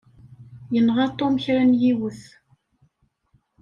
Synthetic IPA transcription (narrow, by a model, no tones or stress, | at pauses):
jənʁɑt̪ˤːoməçɾænjiwəθ